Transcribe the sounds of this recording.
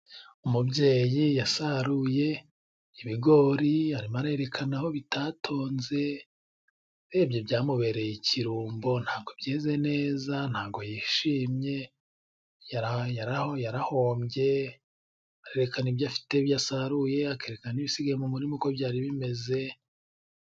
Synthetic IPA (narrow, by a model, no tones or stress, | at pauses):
umubɟeːjijasaɾuje̞ | iβiɡo̞ɾiaɾimaɾaeɾe̞kʰanaho̞βitʰaːtʰo̞ːnze̞ | ɾeːbjo̞bjaːmuβe̞ɾe̞jiciɾuːmbo̞nhaːɡo̞bjeːze̞ne̞ːzan̥haːɡo̞jiʃiːmɲe̞ | jaɾajaɾahojaɾaho̞ːmɟe̞ | aɾe̞ɾekaniβjafi̥teβjasaɾuje̞ake̞ːɾekananiβisiɡajemumuɾimuko̞βjaːɾiβime̞ze̞